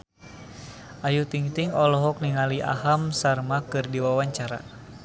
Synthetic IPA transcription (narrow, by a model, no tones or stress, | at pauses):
ʔajut̪iŋt̪iŋɔlɔɦɔk̚niŋaliʔa̰ɦamsarmakɨrdiwawaɲt͡ʃaɾa̰